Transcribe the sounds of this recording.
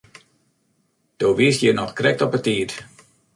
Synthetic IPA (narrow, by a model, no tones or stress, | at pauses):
d̥oːʋiəsjənɔxkrɛk̚tɔpətiːt